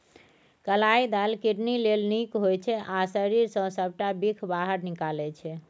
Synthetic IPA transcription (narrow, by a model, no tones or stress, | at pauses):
kəlaid̪alkiʈnilelnikɦojt͡ʃʰɛʔasəɾiɾsə̃səb̚ʈabikʰbaɦəɾnikalɛt͡ʃʰɛ